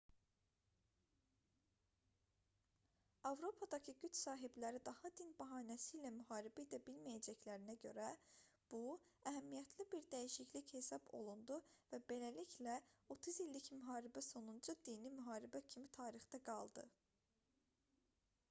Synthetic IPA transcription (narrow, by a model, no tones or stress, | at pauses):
ɑvɾo̞pʰɑd̪ɑcʰɯɟyt͡ʃsɑːɦiblæɾid̪ɑhɑd̪inbɑɦɑːnæsiːlæmyɦɑːɾibæid̪æbilmæjæd͡ʒæclæɾinæɟø̞̰ɾæb̥u | æɦæmːijæt̪ʰlibiɾd̪æjiʃicliche̞sɑbo̞̰lˠund̪uvæbe̞læliçlæo̞t̪ʰuzilːicmyɦɑːɾibæso̞nund͡ʒud̪inimyɦɑːɾibæcʰimit̪ʰɑːɾixt̪ɑɡɑlˠd̪ɯ